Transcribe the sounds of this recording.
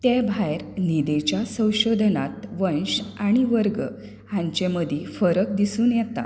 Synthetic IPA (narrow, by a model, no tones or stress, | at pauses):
t̪ebʱajɾnid̪et͡ɕjasə̃w̃ɕod̪ʱnat̪ʋənɕaɽ̃iʋəɾɡə | hãɲt͡ɕeməd̪ʱefəɾəkd̪isuːnjɛt̪a̰